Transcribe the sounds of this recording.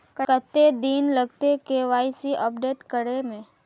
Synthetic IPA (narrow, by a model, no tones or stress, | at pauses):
kəkət̪ːed̪iːnləɡt̪ekeʋaːisiʔəpɖeːʈkəɽemẽ